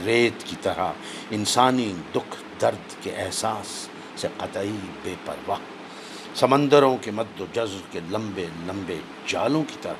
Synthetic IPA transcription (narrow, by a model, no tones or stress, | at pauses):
ɾeːt̪kit̪ɐɾa̰ | ɪnsaːnid̪ʊkʰ | d̪ɐɾd̪keʔɛɦsaːsː | eqɐt̪aibeːpɐ̰ɾʋaːɦ | sɐmə̃nd̪əɾõkemɐd̪ːod͡ʒɐzkelɐ̃mbelɐ̃mbe | d͡ʒaːlõki̥t̪ɐɾa